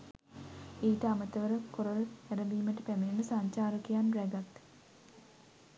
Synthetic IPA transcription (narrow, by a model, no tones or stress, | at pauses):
eːʈəamət̪əʋəɾəkoɾoɾəæɾəʋiːməʈəpæmeninəsaɲt͡ʃaːɾokejanɾæɡat̪